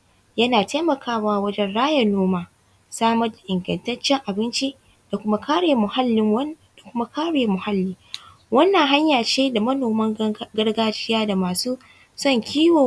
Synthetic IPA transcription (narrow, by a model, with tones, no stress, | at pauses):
jɐ˦naː˨teː˦mɐ˨kʰaː˦waː˦wɐ˦d͡ʒɛ˦nɽaː˦jɐ˨noː˦maː˦ | saː˦mɐ˦rda˨ʔɪ˨ŋɡɐ˨ntɐ˦t͡ʃːɛ˦ŋʔa˨bɪ˦nt͡ʃi˦ | d̥a˨kʷʊ˦ma˦kaː˦ɽeː˨mʊ˨ha˦lːɪ˦ | da˨kʷʊ˦ma˦kaː˦ɽeː˨mʊ˨ha˦lːiː˦ | wɐ˦nːa˨ŋɦa˦ɲjaː˨t͡ʃeː˦da˨mɐ˦noː˨mɐ˦ŋɡɐ˦ɽɡaː˦d͡ʒɪ˦jaː˦da˨maː˨suː˦ | sɔ˦˨ŋkʲʰiː˦woː˨